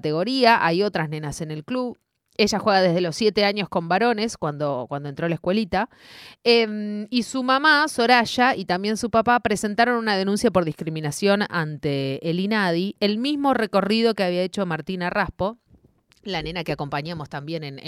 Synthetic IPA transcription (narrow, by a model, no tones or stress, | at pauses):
t̪eɣo̞ɾiaʔajo̞t̪ɾasnẽ̞nase̞ne̞lkluβ | e̞ʒaxweɣaðe̞ðelo̞sːje̞t̪e̞aɲo̞hko̞mbaɾo̞ne̞skwand̪okwand̪ont̪ɾo̞laehkwe̞lit̪a | emisumamaso̞ɾaʃait̪ambje̞nsupapapɾe̞se̞nt̪aɾo̞nunaðe̞nũnsjapo̞ɾðihkɾimĩnasjo̞nant̪eːlinað̞ielmizmo̞re̞ko̞rið̞o̞keaβiae̞t͡ʃo̞maɾt̪inaraspo̞ | lanẽ̞nakeako̞mpaɲamo̞st̪ambje̞nen